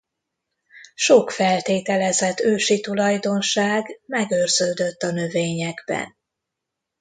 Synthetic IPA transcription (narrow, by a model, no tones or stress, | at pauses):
ʃokfɛlt̪eːt̪ɛlɛzɛt̪ːøːʃit̪ulɒjd̪o̞nʃaːɡmɛɡørz̥øːd̪ø̞t̪ːɒnø̞veːɲɛɡbɛ̰n